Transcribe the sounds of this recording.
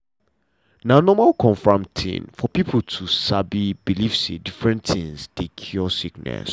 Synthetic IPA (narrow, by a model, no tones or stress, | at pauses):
nãnɔ̃malkʰɔ̃ɱfɹãmtʰḭ̃nfɔpipʰltʰusabibilifsedifɹɛ̃nt̪ʰɪ̃ŋsd̥ekʰiɔsiknɛ̰s